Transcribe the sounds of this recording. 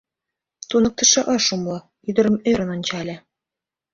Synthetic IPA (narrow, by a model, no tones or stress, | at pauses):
t̪unɤ̆k̚t̪ɤ̆ʃɑʔɑʃumlˠɤ̆ | yd̪ɤ̆ɾɤ̆mĕɾɤ̆nɑnʲt͡ɕɑlʲĕ